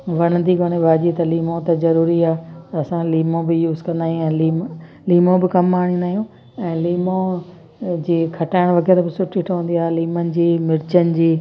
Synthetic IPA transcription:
ʋɐɽ̃ə̃nd̪iɡʱoːɽ̃eʋaːd͡ʑit̪ɐliːmõt̪ɐzɐɾuːɾiaːt̪ɐɐsãliːmõbɪjuːzkɐ̃nd̪aːɦijũɛ̃ːliːm | liːmõbɪkɐmːaːɽ̃ĩːnaːɦijũː | ɛ̃ːliːmõ | d͡ʑiːkʰɐʈaːɪɽ̃ʋɐɣɛːɾbɪsʊʈʰiʈʰoɦũnd̪iaːɦeliːmənɪ̆d͡ʑiːmɪɾt͡ɕənɪ̆d͡ʑiː

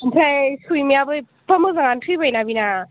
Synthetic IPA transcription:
ntʰajsujmiabɯj | pamɯzaŋantʰɯjbajnabina

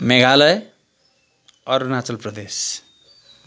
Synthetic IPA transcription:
meɡʱalʌj | ʌɾunat͡sʌlprʌd̪es

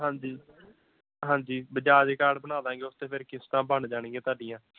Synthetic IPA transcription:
ɦãːɲd͡ʒiː | ɦãːɲd͡ʒiːbəd͡ʒaːd͡ʒeːkaːɖbəñaːd̪ãːŋɡeːʊst̪eːpʰɪɾkɪst̪ãːbənd͡ʒaːɽ̃ĩːɡẽːt̪aːɖɪjãː

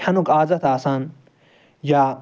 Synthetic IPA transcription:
ɐnukaːzɐt̪aːsaːn | jaː

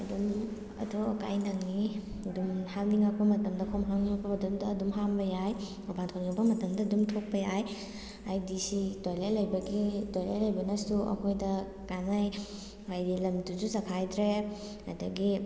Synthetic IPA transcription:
ɐdum | ɐ̰tʰoɐkajnaŋni | ɐdumhaŋniŋak̚pɐmɐtɐmdɐkʰomɦaŋniŋɐkpɐɐdumdɐːdumɦambɐjaj | obantʰoniŋabɐmɐtɐmdɐdumtʰok̚pɐjaj | ajdisitojlajlɐjbɐɡitojla̰jlɐjbɐnɐsuɐ̰kʰojdɐ | kanaj | ajdilɐmduzuzɐkʰajdɾe | ɐ̰dɐɡi

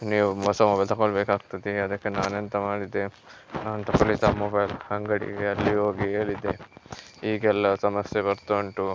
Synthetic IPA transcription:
niːʋuʋɐsɐmɔbɐjlt̪ɐɡoɭbeːkaːɡ̚t̪ɐd̪iɐd̪ɐkːenaːnɐnt̪ɐmaːɽid̪e | ɐnt̪ɐkɐɭit̪amɔbɐjlhɐŋɡɐɽḭɡeɐlːiɦoːɡieːɭid̪e | iːɡɛlːɐsɐmɐsjebɐɾt̪oɳʈu

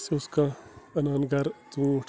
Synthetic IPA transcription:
seʊskaɐnaːnɡɐɾt̪ũːʈʰ

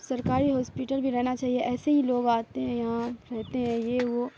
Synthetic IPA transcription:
sɐɾkaːɾiɦɔːspiʈəlbʱiɾɛɦnat͡ʃaːɦieʔɛːseɦiloːɡaːt̪eɦɛ̃jɐɦãɾɛɦt̪eɦɛ̃jeʋo

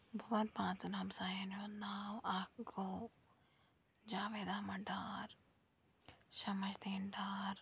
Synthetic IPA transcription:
bʱɐʋanpãːt͡snamsaːjenjonaːwaːkɡoː | d͡ʒaːʋeːd̪aːmɐɖaːɾ | ʃɐmɐt͡ʃd̪eːnɖaːɾ

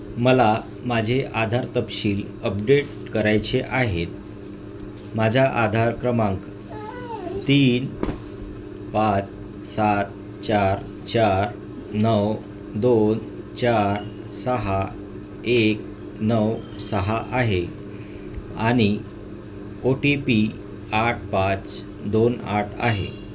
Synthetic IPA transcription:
məla | mad͡ʑʱeʔad̪ʱaɾt̪əpɕiːl | əp̚ɖeʈ | kəɾajt͡ɕeʔaɦet̪̚ | mad͡ʑʱjaʔad̪ʱaɾkɾəmãŋk | t̪iːn | pat͡s | sat̪̚ | t͡ɕaɾ | t͡ɕaɾ | nəw | d̪on | t͡ɕaɾ | səɦa | ek̚ | nəw | səɦaʔaɦe | aɽ̃i | oʈepi | aʈ̚ʰpat͡s | d̪onaʈʰa̰ɦḛ

